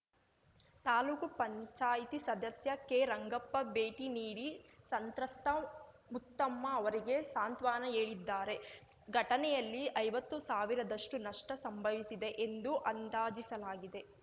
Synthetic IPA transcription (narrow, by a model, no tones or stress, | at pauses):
t̪aːluːkupɐɲt͡ʃaːjt̪isɐd̪ɐsjɐkeːɾɐŋɡɐpːɐbe̞ːʈiniːɽisɐnt̪ɾɐst̪ʰɐ | mut̪ːɐmːɐːʋɐɾiɡe̞saːnt̪ʋaːnɐeːɭid̪ːaːɾe̞ | ɡʱɐʈɐnɛjɐlːiʔɐjʋɐt̪ːusaːʋiɾɐd̪ɐʂʈunɐʂʈɐsɐmbʱɐʋisid̪e̞ʔend̪uʔɐnd̪aːd͡ʒisɐlaːɡid̪e̞